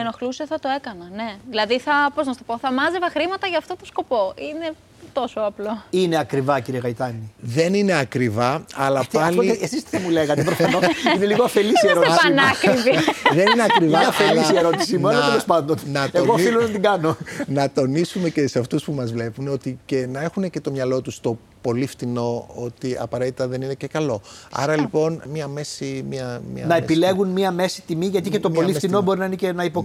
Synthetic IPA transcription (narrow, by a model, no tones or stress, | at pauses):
enoxluseθɐt̪o̞e̞kɐnɐne̞ðilɐðiθɐpo̞znɐst̪opo̞θɐmɐzevɐxɾimɐt̪ɐʝɐːft̪o̞t̪osko̞po̞ʔine̞ | t̪o̞soɐplo̞ine̞ɐkɾivɐciɾieɣɐjt̪ɐniðe̞nine̞ɐkɾivɐɐlɐpɐloiesisθɐmuleɣɐt̪epɾosfɐnoineliɣoɐfelisieɾoeɐnɐkiviðenineɐkɾiviɐfelisieɾo̞t̪isimuɐlɐelo̞spɐnd̪onnɐt̪eɣofilonɐt̪iŋɡɐno̞nɐt̪o̞nisume̞ceseɐft̪uspumɐzvle̞puno̞t̪icenɐe̞xunece̞t̪o̞mɲɐlo̞t̪ust̪o̞ | po̞lift̪ino̞ot̪iɐ̰pɐɾet̪it̪ɐðe̞ninece̞kɐlo̞ɐ̰ɾɐlipo̞nmiɐme̞simiɐmḭnɐepile̞ɣunmiɐme̞si̥t̪imiʝɐt̪̬icet̪o̞o̞lit̪ino̞bo̞ɾinɐinecenɐipo